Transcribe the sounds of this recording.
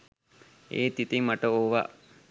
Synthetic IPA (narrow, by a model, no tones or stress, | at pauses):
eːt̪it̪imɐʈəoʋa̰